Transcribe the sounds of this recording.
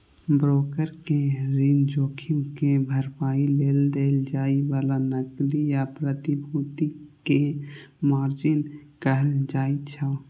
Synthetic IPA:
bɾoːkəɾkeɾind͡ʒoːkʰɪmkebʱəɾpaːileːld̪eːld͡ʒaːiʋaːlanəklijapɾət̪ibʱut̪ikemaːɾd͡ʒɪnkəɦəld͡ʒaːit͡ʃʰə

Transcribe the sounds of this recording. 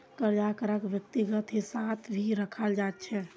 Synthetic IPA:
kəɾd͡ʒakəɾəkʋjəkt̪iɡət̪ɦisat̪ʰbʱiɾəkʰəld͡ʒat̪̚t͡ʃʰɛ

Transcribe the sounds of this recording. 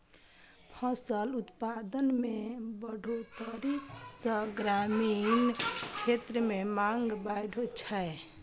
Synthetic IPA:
pʰə̃səlut̪pad̪ənmebəɽ̤ʱot̪əɾipʰsə̃ɡɾamint͡ʃʰet̪ɾəmemaŋɡbajɖ̤ʱot͡ʃʰəe

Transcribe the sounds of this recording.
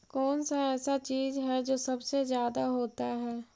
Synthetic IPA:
kɔːnsaɛːsat͡ʃiːzɦɛd͡ʒoːsɐbsezjaːd̪aɦoːt̪aɦɛː

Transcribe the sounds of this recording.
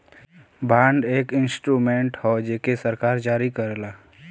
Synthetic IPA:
baːɳɖeːkɪ̃nsʈɾuːmẽɳʈhod͡ʒeːkesəɾkaːɾd͡ʒaːɾikəɾlaː

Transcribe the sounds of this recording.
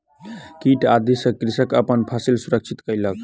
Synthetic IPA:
kiʈad̪ʱisəkɾisəkəpənpʰasilsuɾək̚t͡ʃʰit̪kəjlək

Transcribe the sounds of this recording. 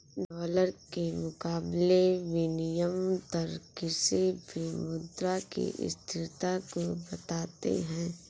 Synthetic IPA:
ɖɔːləɾkemʊkaːbleʋɪnɪjəmt̪ɐɾkɪsibʱimʊd̪ɾakḭʔɪ̰st̪ʰɪɾt̪akobɐt̪aːt̪ḛɦɛ̃ː

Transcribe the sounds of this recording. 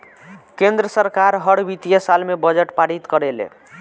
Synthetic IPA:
kend̪ɾəsəɾkaɾɦəɽbit̪ijesalmebəd͡ʒeʈpaɽit̪kəɾelḛ

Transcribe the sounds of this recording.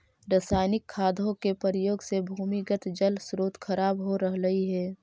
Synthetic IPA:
ɾəsaːɪnɪkʰːaːd̪ʱõkepəɾɪjoːɡsebʱuːmiɡət̪d͡ʒəlsɾoːt̪xʰɐɾaːbɦoɾəɦləiɦɛː

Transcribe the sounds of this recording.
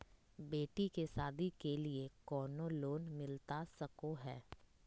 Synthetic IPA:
beːʈikesaːd̪ʱikeliekɔːnoloːnmɪlt̪asɐkoɦɛː

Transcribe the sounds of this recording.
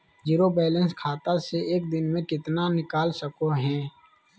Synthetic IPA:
d͡ʒiːɾobɛːlə̃nskʰaːt̪aseeːk̚d̪ɪnmẽkɪt̪nanɪkaːlsəkoɦɛ̃ː

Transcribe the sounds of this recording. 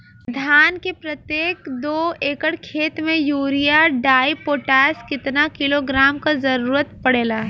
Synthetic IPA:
d̪ʱjaːnkepɾɐt̪jeːkd̪oːeːkəɽkʰeːt̪mẽjuːɾijaɖaːipoːʈɛːskɪt̪nakɪloɡɾaːmkazɐɾuːɾət̪pɐɽeːlaːɦɛ

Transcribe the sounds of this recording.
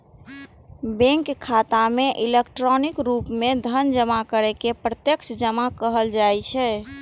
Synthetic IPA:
bẽŋkkʰːat̪ameʔilekʈɾɔnikɾupmed̪ʱənd͡ʒəmakəɾɛkepɾət̪jəkt͡ʃd͡ʒəmakəɦəld͡ʒat͡ʃʰɛ

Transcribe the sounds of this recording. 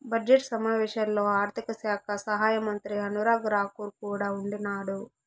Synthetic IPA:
bɐd͡ʒeʈsɐmaːʋɛːʂɐnlo̞ːaːɾt̪ʰikɐsjaːkʰɐsɐɦaːjɐmɐnt̪ɾiɐnuɾaːɡɾaːkuɾkuːɽaːuɳɖinaːɽu

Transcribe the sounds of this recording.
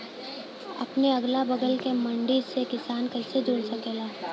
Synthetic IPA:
ɐ̰pneɐɡlabɐɡəlkemɐ̃ɳɖisekɪsaːnkɐɪsed͡ʒoːɽsɐkelaː

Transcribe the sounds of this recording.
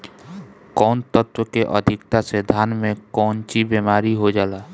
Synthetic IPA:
kɔːnt̪ət̪wəkeʔə̰d̪ʱɪkt̪ased̪ʱaːnmekɔːnt͡ʃibemaːɾiɦod͡ʒaːla

